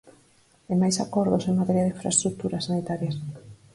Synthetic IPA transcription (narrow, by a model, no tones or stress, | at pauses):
amajsakɔɾðoseŋmat̪ɛɾjaðeiɱfɾa̰st̪ɾuk̚t̪uɾɐsːanit̪aɾjɐs